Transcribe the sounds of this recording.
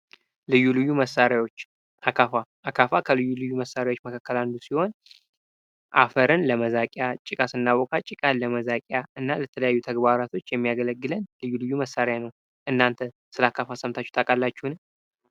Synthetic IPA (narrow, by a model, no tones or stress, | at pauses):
lɨjːulɨjːuməsːaɾjawot͡ʃː | ʔakʰafaʔakʰafakʰəlɨjːulɨjːuməsːaɾawot͡ʃːməkʰakːəlandusiho̞n | ʔa̰fəɾɨnləməzakʼjat͡ʃʼːɪkʼasɨnːaβɔkʰʼat͡ʃʼɪkʼaləməzakʼjaʔɨnːalət̪ʰələjajːut̪ʰəɡbaɾat̪ʰo̞t͡ʃːjɛmːijaɡələɡːɨlənlɨjːulɨjːuməsaɾjanəw | ʔɨnːant̪ʰə | sɨlakʰafasəmt̪ʰat͡ʃːu̥t̪ʰakʼalːat͡ʃːuhnɨ